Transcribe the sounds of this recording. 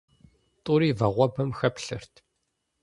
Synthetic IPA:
tʼuːɾiːvɐʁʷɐbɐmxɐpɬɨ̰r̥t̪ʰ

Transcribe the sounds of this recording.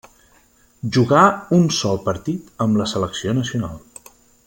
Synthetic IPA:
ʒuɣaunsɔlˠpəɾt̪it̪əmləsələksionəsiuna̰lˠ

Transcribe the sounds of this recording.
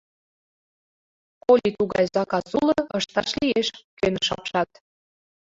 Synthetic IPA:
kolʲit̪uɣɑ̰jzɑkɑsulɤəʃt̪ɑʃlieʃkønə̆ʃɑpʃɑt̪̚

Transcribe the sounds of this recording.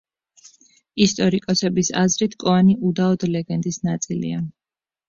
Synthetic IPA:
ist̪ʼɔɾikʼɔsɛbisa̰zɾit̪ʰkʼɔaniʔud̪aɔd̪lɛɡɛnd̪isnat̪sʼilḭa

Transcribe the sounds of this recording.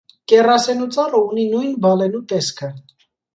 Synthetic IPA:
kɛrɑsɛnut͡sɑrɔuninujnbɑlɛnut̪ɛskʰə

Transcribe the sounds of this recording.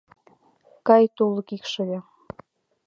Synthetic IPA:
kɑjt̪ulɤ̆kikʃɤ̆βɑ

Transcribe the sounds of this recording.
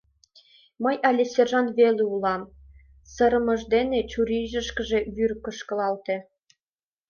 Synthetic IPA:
məjɑlʲesʲerʒɑnβelʲeulɑm | sɤɾəmɤ̆ʒd̪enet͡ɕuɾiʒə̆ʃkə̆ʒeβyrkə̆ʃkɤ̆lɑlt̪ĕ

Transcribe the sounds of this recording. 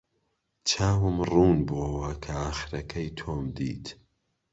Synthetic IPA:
t͡ʃʰaːwɨmruːnboːwɐkʰɐaːxɾɐkʰɐjt̪ʰoːmd̪ḭːt̪

